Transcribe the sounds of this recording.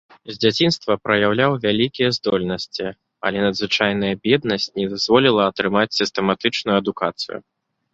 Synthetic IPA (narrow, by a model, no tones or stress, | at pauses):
zʲd͡zʲat͡sʲinst̪vɐpɾɐjawlʲawvʲalʲikʲijɛzd̪ɔlʲnɐsʲt͡sʲi | ɐ̰lʲɛnɐd̪zvɨt͡ʂajn̪ɐjɐbʲɛd̪̚nɐsʲt͡sʲnʲɛd̪azvɔlʲilˠɐːt̪ɾɨmat͡sʲsʲist̪ɛmat̪ɨt͡ʂnujuɐd̪ukat̪sɨ̰jṵ